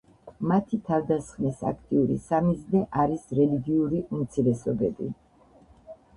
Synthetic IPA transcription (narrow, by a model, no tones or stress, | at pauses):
mat̪ʰit̪ʰavd̪asχnisa̰kʰt̪ʼiuɾḭsamiznɛʔaɾisɾɛliɡiuɾiʔumt̪sʰiɾɛsɔbɛbi